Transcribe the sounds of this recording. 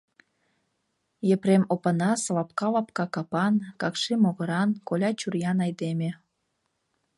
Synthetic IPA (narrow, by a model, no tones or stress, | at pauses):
jepɾemopənɑslɑp̚kɑlɑpkɑkɑpɑnkɑkʃimoɣə̆ɾɑnkolʲɑt͡ɕurjɑnɑjd̪emʲe